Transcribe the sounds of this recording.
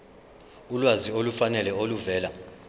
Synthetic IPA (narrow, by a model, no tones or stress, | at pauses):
ulwaziolufanɛlɛoluvɛːla